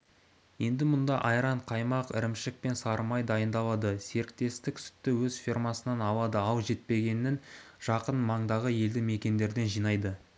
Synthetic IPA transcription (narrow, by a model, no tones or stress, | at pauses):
je̞nd̪ɪmʊnd̪ɑʔɑjɾɑɴqʰɑjmɑqɪ̰ɾɪmʃɪk̚pe̞nsɑɾmɑjd̪ɑjənd̪ɑlˠɑd̪əse̞ɾɪk̚t̪e̞st̪ɪksʏ̥t̪ːɪwɵzfʲirmɑsənɑnɑlˠɑd̪əɑlˠʒe̞t̪̚pe̞ɡʲe̞nɪnʒ̥ɑqənmɑɴd̪ɑʁəje̞ld̪ɪme̞kʲe̞nd̪e̞ɾd̪e̞nʒijnɑjd̪ə